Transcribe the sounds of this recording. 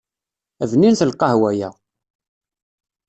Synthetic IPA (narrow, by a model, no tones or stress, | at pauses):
ævninθəlqːɑhwæjæ